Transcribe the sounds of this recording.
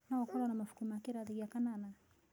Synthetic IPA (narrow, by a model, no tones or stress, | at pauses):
nawakɔlanamafu̥kumakiɾaðiɣiakanana